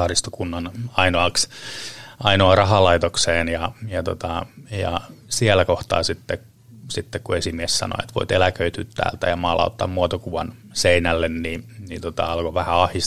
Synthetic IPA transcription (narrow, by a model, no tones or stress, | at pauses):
ɑːrist̪o̥kunːɑnɑinoɑks | ɑinoɑrɑɦɑlɑit̪okseːnjɑjɑt̪ot̪ɑjɑ̰siælækoht̪ɑ̰ːsit̪ːe | sit̪ːekkuesimiessɑ̰no̰et̪ʋo̰it̪elækøit̪yt̪ːæ̰ːlt̪æjɑmɑːlɑ̰ut̪ːɑ̰ːmmuot̪okuʋɑn | seinælːenninnit̪ot̪ɑɑlkoʋæhæɑhis